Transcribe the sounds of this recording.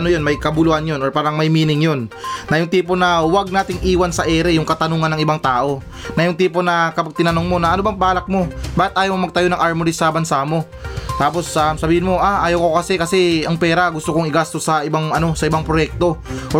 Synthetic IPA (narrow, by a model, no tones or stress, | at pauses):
ɐnojonmɐjkɐbʊluhɐnjonoɹpaːɾɐŋmɐjmiːnɪŋjo̞nːɐjʊŋt̪iːpo̞nɐwaɡ̚naːt̪ɪŋʔiːwɐnsɐʔɛːɾɛjʊŋkɐt̪ɐnuːŋɐnːɐŋɪbaŋt̪aːʔo̞ | nɐjʊŋt̪iːpo̞nɐkɐpɐɡ̚t̪ɪnɐnoŋmo̞nɐʔɐnobɐŋpaːlɐk̚mo̞baːhɪt̪ʔaːjɐwmomɐɡ̚t̪ɐjo̞nɐŋʔaɹmoɾisɐbɐnsaːmo̞ | t̪aːp̬o̞samsɐbiːhɪnmo̞ʔaʔaːjɐwko̞kɐsɛkɐsɛɐŋpɛːɾɐɡʊst̪okoŋɪɡaːst̪o̞sːɐʔɪbaŋɐno̞sɐɪbaŋpɾojɛk̚t̪o̞ʔo